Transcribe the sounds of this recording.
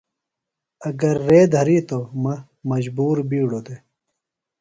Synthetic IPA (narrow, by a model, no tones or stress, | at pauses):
ɐɡɐɾːeːd̪ʱɐɾiːt̪omɐ | mɐd͡ʑbuːɾbiːɽod̪e